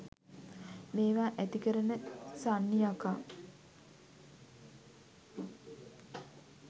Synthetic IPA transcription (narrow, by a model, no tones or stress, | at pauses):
meːʋaːʔæt̪ikəɾənəsanːijaka